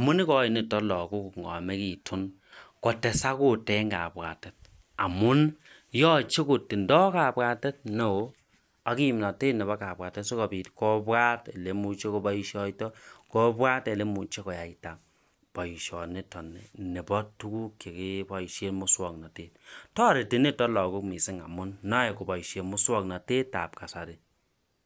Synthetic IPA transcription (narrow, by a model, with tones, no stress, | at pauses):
a˨mʊ˦ni˦kɔ˦i˨ni˨tɔ˦lɔ˨ku˦kŋɡɔ̰˨me˦ki˨tʰu˦n | kɔ˨tɛ˨sa˦ko˦tɛ˦ŋɡa̰˨bwa̰˨te˦t̚ | a˨mʊ˦n | jɔ˦t͡ʃe˦ko˨tːi˨ndɔ˦ka˨bwa˨tɛ˦t̚ne˨o˦ | a˨ki˦˨mna˨teː˦tnɛ˨βa˦ka˨pwa˨tɛ˦tso˦kɔ˨bi˨tkɔ˦bwa˦te˨le˨mu˨t͡ʃe˦ko˦ba˦i˦ʃɔ˦i˦tɔ˦kɔ˦bwa˦te˨le˦mu˨t͡ʃe˦kɔ˨ja˨i˦ta˨ | pɔ˨i˨ʃɔ̰˨nɪ˦tɔ˨ni˨ne˨bɔ˦tːu˦ku˦ke˨ki˦bɔ˨i˨ʃe˦tmʊ˦swɔ˨kna˨teː˦t̚tɔ˦˨ɾe˨ti˨ne˦tɔ˦lɔ˨ku˦kmi˨sɪ˦ŋa̰˨mʊ˦nːɔ˦ɛ˨ko˨bɔ˨i˨ʃe˨mʊ˦swɔ˦kna˨te˦ta̰˨p̚ka˨sa˨dɪ˨